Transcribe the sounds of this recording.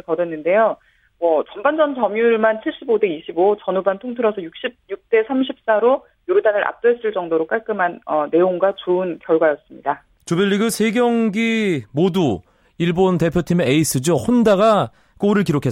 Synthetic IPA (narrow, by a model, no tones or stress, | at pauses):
kʌdwenːɯnde̞jo | mʌt͡ɕʌmband͡ʑʌnt͡ɕʌmjuɭmant͡ɕʰiɭɕ͈ibode̞iɕʰibot͡ɕʌnubantʰoŋtʰɯɾʌsʰʌjuk̚ɕ͈ip̚juk̚t͈e̞sʰamɕʰip̚s͈aɾo | joɾudanɯɾʔa̰p̚t͈oes͈ɯɭt͡ɕ͈ʌŋdoɾok͈aɭk͈ɯmanʌne̞joŋɡwat͡ɕoɯnkjʌɭɡwajʌs͈ɯmɲida | t͡ɕubiʎːiɡɯsʰe̞ɡjʌŋɡimodu | iɭbonte̞pʰjotʰimeeis͈ʰɯd͡ʑohondaɡa | k͈oɾɯɭkiɾokʰe̞